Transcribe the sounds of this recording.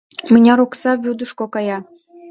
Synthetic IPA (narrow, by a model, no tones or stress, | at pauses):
mɘ̆nʲɑɾoksɑβʲud̪əʃkokɑjɑ